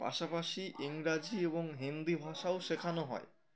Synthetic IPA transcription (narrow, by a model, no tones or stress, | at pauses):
pa̰ʃapaʃiʔiŋɾad͡ʑieboŋɦind̪ibʱaʃaoʃekʰanoɦɔ̰e